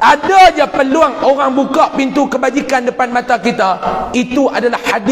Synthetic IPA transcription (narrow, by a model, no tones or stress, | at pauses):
ʔadaɲapəluaŋoɾaŋbukaʔpint̪ukəbad͡ʒikandəpanmãt̪akit̪ait̪uʔadalahhadi